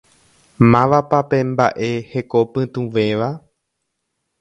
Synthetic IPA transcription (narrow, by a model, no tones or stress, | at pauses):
mãʋapape̞mba̰ʔe̞he̞ko̞pɨ̃t̪ũʋẽ̞ʋa